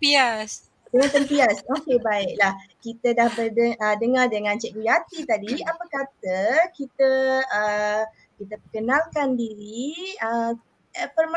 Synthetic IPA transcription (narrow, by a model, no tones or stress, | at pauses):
pias | dəŋãt̪əmpiasokebaɪʔ̚lahkit̪ədahbədəədəŋardəŋãnt͡ʃɛʔ̚kujat̪it̪adiapakat̪əkit̪əə | kit̪əpəkənãlkandiɾiə | əfərm